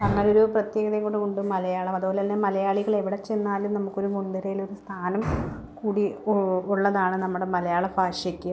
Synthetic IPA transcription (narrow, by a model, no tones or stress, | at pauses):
nɐŋːɐlo̞ɾuprɐt̪je̞ːɡɐðɐjɐŋkoɳɖɨkuɳɖumɐlɐjaːɭɐmɐðupo̞ːlenːemɐlɐjaːɭiɣɐɭe̞ʋiɽet͡ɕenːaːlumnɐmukːo̞ɾumund̪ɐɾɐjilo̞ɾust̪ʰaːnɐm | kuːɽiuɭːɐðaːɳɨnɐmːuɽe̞mɐlɐjaːɭɐfaːɕɐkʲːu